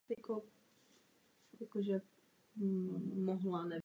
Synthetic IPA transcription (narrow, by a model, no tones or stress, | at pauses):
ko | jakoʒɛ | moɦlanɛ